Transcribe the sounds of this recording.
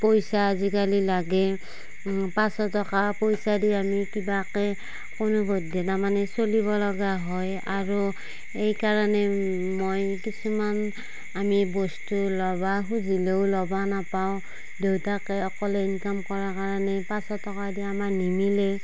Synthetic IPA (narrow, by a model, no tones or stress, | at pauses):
pojsazikalilaɡɛ | pasɔtɔkapɔjsadiamikibakɛ | konubɔdɛtamanɛsoliβɔlɔɡaɦɔj | aɹu | ejkaɹanɛ | mojkisuman | amibɔstulɔbaɦuzileʊlɔbanapaʊ | dewtakɛɔkɔlɛinkamkɔɹakaɹanɛpasɔtɔkadiamanimilɛ